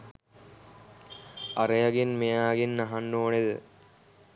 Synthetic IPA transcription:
ɐɾejɐɡinmejaːɡinːɐɦanːoːned̪ə̰

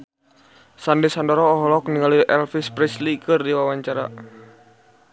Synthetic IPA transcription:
sandɛsandɔɾɔːɦɔlɔk̚niŋaliʔɛlfispɾɛslikɨrdiwawaɲt͡ʃaɾa̰

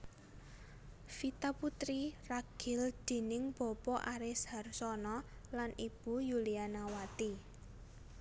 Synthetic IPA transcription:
fit̪aput̪ɾiraɡ̥ɪ̤ld̪̥e̤nɪŋb̥ɔ̤pɔʔaɾɪsharsɔnɔlanib̥ṳjulianawat̪i

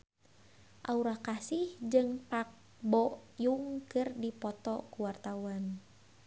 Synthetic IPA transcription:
ʔauɾakasihd͡ʒɨŋpak̚ | bɔjuŋkɨrdipɔt̪ɔkuwart̪auan

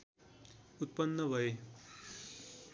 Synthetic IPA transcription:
ut̪̚pʌnːʌbʱʌe

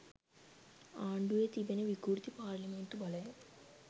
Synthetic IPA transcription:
aːɳɖuʋeːt̪ibɐneʋiɡuɾt̪ipaːɾlimeɳʈubɐlɐjɐ

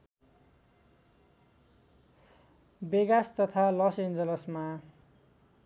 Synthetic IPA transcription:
beɡast̪ʌt̪ʰalʌsend͡zʌlʌsma

